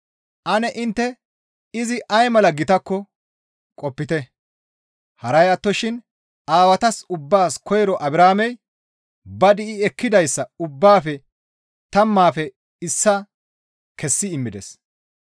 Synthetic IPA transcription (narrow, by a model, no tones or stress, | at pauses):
ʔɐnɛʔɪnt̪ːɛ | ɪzɪʔɐjmɐlɐɡɪt̪ɐkːɔ | kʼɔpːɪt̪ɛ | hɐɾɐjɐt̪ːɔʃɪn | aːwɐt̪ɐsʊbːaːskɔjɾɔʔɐbɪɾaːmɛj | bɐd̪ɪʔɪɛkːɪd̪ɐjsːɐʊbːaːfɛ | t̪ɐmːaːfɛ | ɪsːɐ | kɛsːɪɪmːɪd̪ɛ̰s